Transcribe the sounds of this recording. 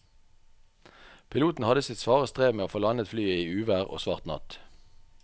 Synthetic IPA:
pʰɪluːt̪n̩hɑd̪əsɪt̪sʋɑːʁəst̪ʁeːʋmeːoːfoːlɑnət̪flyːəiːʉːʋæːʁo̰ːsʋɑ̰ːʁt̪nɑ̰t̪

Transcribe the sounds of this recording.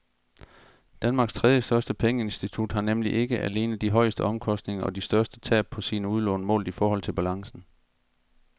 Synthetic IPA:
d̥ænmɑ̈ːɡ̥st͡sʰʁɛðˠjəsd̥ɶɐsd̥əpʰeŋəe̝nsd̥it͡sʰud̥hɑ̈nemliʔe̝ɡ̥əʔæle̝ːnð̩ˠd̥iɦɒ̽ɪ̰əsd̥əɒ̽mkʰɒ̽sd̥ne̝ŋɐʔɒ̽disd̥ɶɐsd̥ət͡sʰɛ̰ːb̥̚pʰɒ̽siːnəuðˠlɔ̽ːnəmɔ̰̽ːlifɒːɒ̽l̰t͡sʰe̝lb̥ælɑ̈ŋsn̩

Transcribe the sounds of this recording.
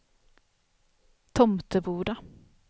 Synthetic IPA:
t̪ʰɔmt̪əbuːɖa

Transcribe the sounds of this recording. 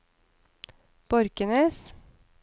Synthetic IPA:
b̥ɔɾkənəs

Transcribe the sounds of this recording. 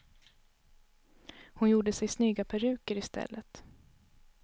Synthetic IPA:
hʊnjuːɖəsɛjsnyːɡapʰæɾʉ̟ːkəɾɪst̪ʰɛ̰lːət̪

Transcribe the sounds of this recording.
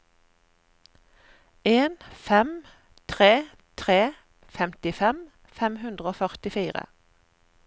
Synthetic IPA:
eːnfɛm | t̪ʰʁeː | t̪ʰʁeː | fɛmt̪ɪfɛm | fɛmhʉnd̪ʁəoːfœʁt̪ɪfiːʁə̰

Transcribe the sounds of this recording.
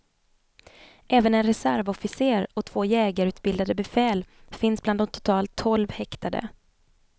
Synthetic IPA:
ʔɛːvənɛnɾɛsæɾvɔfɪseːɾɔt̪ʰv̥oːjɛːɡaɾʉ̟ːt̪bɪld̪ad̪əbɛfɛːlfɪnsbland̪ɔmt̪ʰʊ̥t̪ʰɑːlt̪ʰːɔlvhɛkt̪ʰad̪ə̰

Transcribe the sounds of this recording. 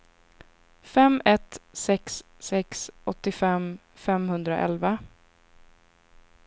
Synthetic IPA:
fɛmɛt̪sɛksː | ɛksʔɔt̪ːɪfɛm | fɛmɦɵnd̪ɾaʔɛ̰lva

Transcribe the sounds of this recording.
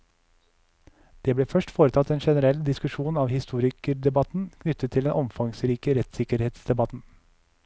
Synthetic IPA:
d̪̥eːbleːfœʃʈfoːɾət̪ʰɑt̪eːnʃɛnəɾɛld̪ɪskʉʃuːnɑːʋhɪst̪uːɾɪkəɖ̪ɛbɑt̪n̩kʰnʏt̪ət̪ʰɪlɛnʔɔmfɑŋsɾiːkəɾɛt̪sɪkəɾheːt̪sd̪ɛbɑt̪n̩

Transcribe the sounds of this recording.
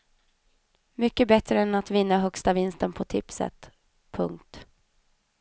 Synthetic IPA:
mʏkːəbɛt̪ɾəɛnat̪vɪnːaɦœkst̪avɪnst̪ənpʰɔt̪ʰɪpsə̰t̪ | pʰɵŋkt̪

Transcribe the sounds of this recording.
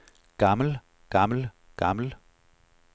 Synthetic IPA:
ɡ̥ɑml̩ | ɡ̥ɑml̩ | ɡ̥ɑml̩

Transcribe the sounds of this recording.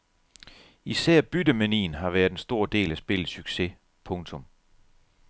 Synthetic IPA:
isæɐ̰b̥yd̥əmænḭːnɦɑ̈ʋæːɐðˠd̥ensd̥o̝ɐ̰d̥e̝̰ːlæsb̥e̝l̰̩ˠsyɡ̥se̝ | pʰɔ̽ŋt͡sʰɔ̽m

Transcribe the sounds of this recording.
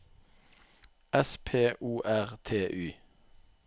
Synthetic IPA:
ɛspʰeːʔuːʔæʁt̪ʰeːʔʉː

